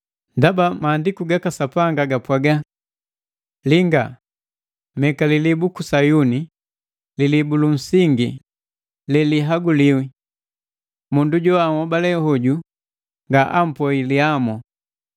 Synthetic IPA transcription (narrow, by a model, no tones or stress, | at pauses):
ndabamaːndikuɡakasapaŋɡaɡapwaɡa | liŋɡa | mɛkalilibukusajuni | lilibulun̩siŋɡi | lɛliɦaɡuliwi | munduɟɔamɔbalɛhɔɟu | ŋɡaʔam̩pɔiliamɔ